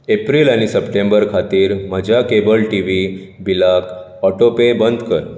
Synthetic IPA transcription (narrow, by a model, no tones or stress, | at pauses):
epɾilañisəpʈẽmbəɾkʰat̪iːɾməd͡ʑʱakebəlʈiʋi | bilakʰ | ɔʈopebənd̪ʱkəɾ